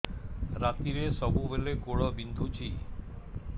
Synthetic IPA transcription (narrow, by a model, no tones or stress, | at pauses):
ɾat̪iɾesɔbʱubelekoɭɔbind̪ʱut͡ʃʰi